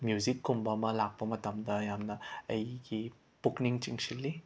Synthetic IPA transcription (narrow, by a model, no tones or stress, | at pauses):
mjuzikːumbɐmɐlak̚pɐmɐtɐmdɐjamnɐɐjɡi | b̥ukniŋt͡ʃiŋsilːi